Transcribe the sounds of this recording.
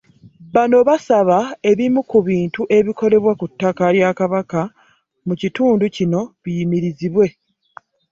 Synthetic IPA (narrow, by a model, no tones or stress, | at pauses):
βano̞βasaβae̞βimukuβiːntuʔe̞βiko̞le̞βwakutːakaljakaβaka | mucituːnducino̞βijimiɾiziβwe̞